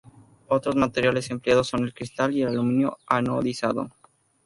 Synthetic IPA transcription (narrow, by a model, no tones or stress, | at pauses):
ot̪ɾozmat̪eɾjale̞se̞mpleaðo̞sːo̞ne̞lkɾist̪alielalumĩnjo̰anoðisaðo̰